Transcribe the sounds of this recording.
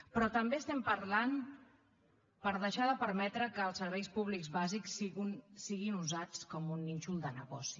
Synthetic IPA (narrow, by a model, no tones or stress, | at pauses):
pɾɔt̪əmbeəst̪ɛmpəɾlan | pəɾðəʃaðəpəɾmɛt̪ɾəkəːlˠsəɾβ̞ɛjspuβlikzβazikssiɣinuzat͡skɔmunːinʲt͡ʃulˠd̪ənəɣɔ̰si̥